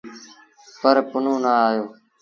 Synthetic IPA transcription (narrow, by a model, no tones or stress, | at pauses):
pəɾpʊnõːnaːaːjoː